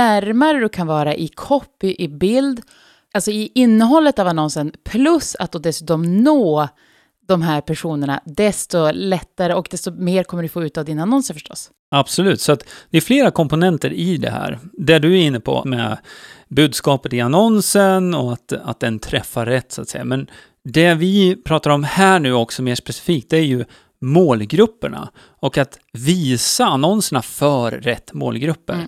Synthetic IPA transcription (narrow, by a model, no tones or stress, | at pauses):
næɾmaɾəd̪ɵkʰanvɑːɾaʔɪkʰɔpːɪʔɪbɪld̪ | ʔalsɔɪɪnːəɦɔlːət̪avanɔnsənpʰlɵsa̰t̪̚d̪oːd̪ɛsʉːt̪ɔmnoː | d̪ɔmɦæːɾpʰæʂuːnəɳa̰d̪ɛst̪ɔlɛt̪ːaɾəɔkd̪ɛst̪ɔmeːɾkʰɔmːəɖɵfoːʉːt̪avd̪ɪnanɔnsəfœʂʈɔ̰sː | ab̥sɔlʉ̟ːt̪sɔat̪d̪̥ɛæɾfleːɾakʰɔmpʊnɛnt̪əɾɪd̪ɛ̰hæ̰ːɾd̪æɖɵæɪnːəpʰɔ̰mɛ̰ | bʉ̟ːd̪skɑːpət̪ɪanɔnsənɔat̪a̰t̪̚d̪ɛnt̪ʰɾɛfːaɾɛt̪ːsɔat̪sɛjːa̰mɛn | d̪ɛvɪpʰɾɑːt̪aɾɔmhæːɳʉ̟ːɔksɔmeːʂpɛsɪ̥fiːk̚t̪̚d̪ɛæɾjɵ | moːlɡɾɵpːəɳa̰ | ɔkat̪viːsaːnɔnsəɳafœːɾːɛt̪ːmo̰ːlɡɾɵpːə̰ɾ